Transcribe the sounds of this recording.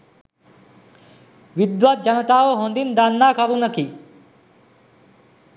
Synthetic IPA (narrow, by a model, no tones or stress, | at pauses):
ʋid̪ʋat̪̚d͡ʒanət̪aːʋəɦond̪ind̪anːaːkaɾunəki